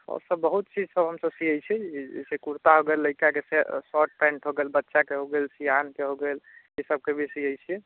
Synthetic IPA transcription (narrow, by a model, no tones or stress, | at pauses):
ɔ̰ɾsəbːəɦut̪̚t͡ʃid͡ʒsəbɦəmsəbsiɦəjt͡ʃʰɛd͡ʒḛsekuɾt̪aɦoɡelːəikakesesɔʈ̚pɛ̃ɳʈɦoɡelbətːʃakeɦoɡelsiɦankeɦoɡel | esəb̚kebʱesiəjt͡ʃʰi